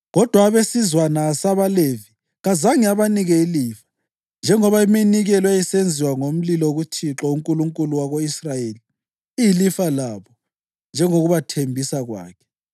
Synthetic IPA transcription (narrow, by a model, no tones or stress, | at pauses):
ɣɔd̥ʱwaːβesizwanasaβalevi | ɣazaŋiaβaniɣɛilifḁ | nd͡ʒʱɛŋɔβaiminiɣɛlwajisend͡zʱiwaŋom̩lilɔoɣutʰiǁɔuŋkʼuluŋkʼuluwaɣoisrajeːli | ijilifalaβɔ | nd͡ʒʱɛŋoɣuβatʰembʱisaɣwa̰ːkʰɛ̥